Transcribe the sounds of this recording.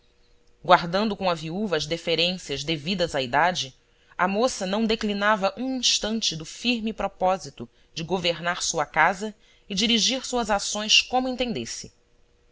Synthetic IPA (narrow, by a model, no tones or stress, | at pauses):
ɡwaɾd̪ɐ̃nd̪ʊkõɐviuvɐːzd̪efeɾẽsiɐzd̪evid̪ɐzɐid̪ad͡ʒɪ | ɐmosɐnɐ̃w̃d̪eklinavɐʔũĩʃt̪ɐ̃nt͡ʃɪd̪ʊfiɾmipɾɔpɔzit̪ʊ | d͡ʒɪɡoveɾnaɾsuɐkazɐ | ɪd͡ʒiɾiʒiɾsuɐzasõj̃skõmʊẽnt̪ẽnd̪esɪ